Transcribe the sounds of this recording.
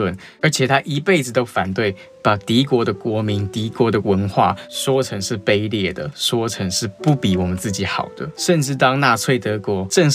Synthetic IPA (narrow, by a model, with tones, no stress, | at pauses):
ə˥˩n | ə˞˧˥t͡ɕʰjɛ˨˩t̪ʰa˥ʔi˧˥pe˥˩ɪd͡zɹ̩˨˩t̪o˥ʊfa˨˩nt̪we˥˩ɪ | pa˨˩t̪i˧˥kwɔ˧˥d̪ə˨kwɔ˧˥mi˧˥nt̪i˧˥kwɔ˧˥d̪ə˨wə˧˦nxwa̰˥˩swɔ˦ʈ͡ʂʰə˧˥ŋʂɻ̩˥˩pe˥ɪljɛ˥˩d̪ə̰˩ʂwɔ˥ʈ͡ʂʰə˧˥ŋʂɻ̩˥˧pu˥˩pi˨˩wɔ˨˩mə˦nt͡sɹ̩˥˩t͡ɕi˨˥˦xɑ˨˩ʊd̪ə˦ʂə˥˧nʈ͡ʂɻ̩˥˩t̪ɑ˥ŋna˥˧t͡sʰwe˥˩ɪt̪ɤ˧˥kwɔ˧˥ʈ͡ʂə˥˧ŋ